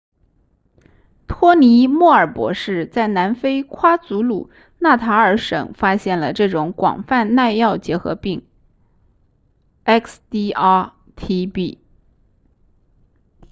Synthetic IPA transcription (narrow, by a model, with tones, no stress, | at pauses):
t̪ʰwɔ˥ni˧˥mwɔ˥˩ə˞˨˩pwɔ̰˧˥ʂɻ̩˥˧t͡sa˥˩ɪna˧˥nfe˥ɪkʰwa˥t͡su˧˥lṵ˨˩ | na˥˩t̪ʰa˧˥ə˞˧˥ʂɤ̰˨˩˦ŋfa˥ɕjɛ˥˩nlə˩ʈ͡ʂɤ˥˩ʈ͡ʂʊ˧˥ŋkwɑ̰˨˩ŋfa˥˧nna˥˧ɪjɑ˥˩ʊt͡ɕjɛ˧˥xɤ̰˧˥pi˥˩ŋ | ɛ˥kst̪i˥ | t̪ʰi˥pi˥˩